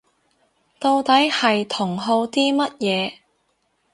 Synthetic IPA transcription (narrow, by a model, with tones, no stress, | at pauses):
t̪o˧wt̪ɐ˨˥jhɐ˨jt̪ʰʊ˨˩ŋɦo˧wt̪iː˥mɐ˥t̚jɛː˨˧